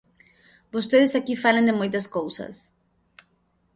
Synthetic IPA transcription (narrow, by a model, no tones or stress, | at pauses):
bost̪eðɪsakifalẽŋnd̪ɪmojt̪ɐskowsɐ̰s